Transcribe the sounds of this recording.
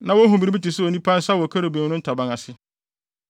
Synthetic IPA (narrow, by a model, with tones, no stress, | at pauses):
nã˨wɔ˦ɦũ˨bi˨ɾi˦bi˦tɪ˨sʊ˦o˨nĩ˦pʰã˦n̩˦sa˦wɔ˨kʰa˦ɾe˨bẽ˨˦nʊ̃˦n̩˦tʰa˨bã˨ŋa˨sɪ˦